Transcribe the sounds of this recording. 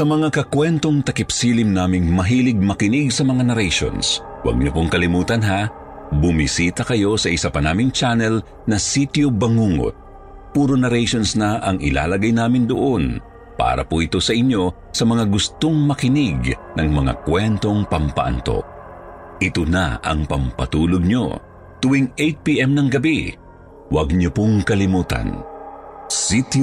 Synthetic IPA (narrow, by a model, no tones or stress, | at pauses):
sɐmɐŋakɐkwɛnt̪o̞ŋt̪ɐkɪpsilɪmnaːmɪŋmɐɦiːlɪɡ̚mɐkɪnɪɡsɐmɐŋanɐɾɛjʃo̰ns | wɐ̰ɡ̚ɲopoŋkɐlɪmuːt̪ɐnɦa | bʊmisiːt̪ɐkɐjo̞sɐʔɪsapɐnaːmɪŋt͡ʃanɛl | nɐsit̪jobɐŋuːŋo̰t̪̚ | puːɾonɐɾɛjʃo̞nsnɐʔɐŋɪ̰la̰ːlɐɡajnaːmɪnd̪oʔo̞n | pa̰ːɾɐ̰puɪt̪o̞sɐʔɪɲjo̞ | sɐmɐŋaɡʊst̪oŋmɐkɪnɪɡnɐŋmɐŋa̰kwɛnt̪o̞ŋpɐmpɐ̰ʔɐ̰nt̪o̞̰ | ʔɪt̪ona̰ɐ̰ŋpɐmpɐt̪uːloɡ̚ɲo̞̰ | t̪ʊwiŋejt̪̚piʔɛmnɐŋɡɐbi | wɐɡ̚ɲopoŋkɐlɪmuːt̪ɐ̰n | sit̪